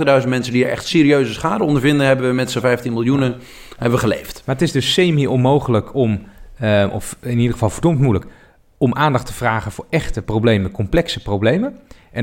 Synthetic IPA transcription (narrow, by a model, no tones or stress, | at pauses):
tədœɥzən̩tmɛnsəndiəɹɛ̰χtsɪːɾiøɥzəsχaːdəɔndəɹvɪndənɦɛbəʋəmɛtsəvɛjftinmɪlˠjunə | hɛbəʋəχəlḛjftmaːɹətɪzdɵsːejmiʔɔnmowχələkʰɔm | ɔ̰fɪnidəχəvɑlˠvəɹdɔmtmulək | ɔmʔaːndɑχtəv̥raːχənvʊːɹɛχtəprowblejməəkʰɔmplɛksəprowblejməʔɛn